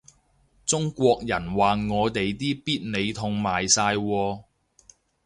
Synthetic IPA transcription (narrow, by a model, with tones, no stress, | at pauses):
t͡sʊ˥ŋkʷɔː˧k̚jɐ˨˩nwaː˨ŋɔː˨˧t̪e˨jt̪̬iː˥piː˥t̚ne˨˧jt̪ʰʊ˧ŋmaː˨˩jsaː˧jwɔː˧